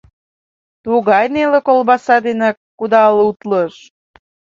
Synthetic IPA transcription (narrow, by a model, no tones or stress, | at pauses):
t̪uɣɑjnelekolbɑsɑd̪enekː | ud̪ɑlut̪ləʃ